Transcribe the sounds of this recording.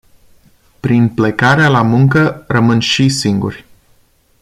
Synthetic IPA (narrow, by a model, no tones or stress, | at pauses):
pɾinplekaɾealamuŋkərəmɨnʃisiŋɡṵrʲ